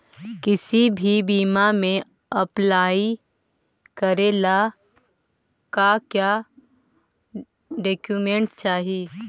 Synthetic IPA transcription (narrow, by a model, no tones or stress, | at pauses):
kɪsibʱibiːmamẽ | ɐplaːi | kɐɾeːla | kakjaː | ɖeːkjumẽɳʈt͡ʃaːɦiː